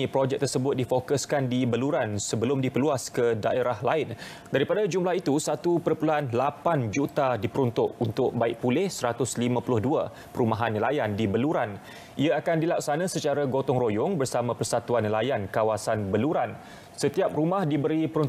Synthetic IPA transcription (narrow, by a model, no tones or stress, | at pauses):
ipɾod͡ʒɛk̚t̪ərsəbʊt̪̚difokʊskandibəluɾansəbəlʊmdipəluaskədaʔeɾʔahlaɪn | daɾipadad͡ʒumlahit̪usat̪upəɾəpuluɦanlapand͡ʒut̪adipəɾunt̪ʊʔunt̪ʊk̚baɪʔ̚pulɪhsəɾat̪ʊslimãpulʊhdua | pəɾumaɦanːlajandibəluɾan | ʔiaakandilaksanãsət͡ʃaɾaɡot̪ɔŋrojʊŋbərsamãpərsat̪uanilajankawasanbəluɾan | sət̪iap̚ɾumahdibəɾipəɾun